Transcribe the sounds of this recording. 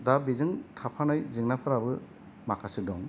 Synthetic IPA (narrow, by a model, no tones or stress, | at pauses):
dabizɯŋtʰapʰanajzɯŋnapʰɯɾabɯ | makʰasɯdɔŋ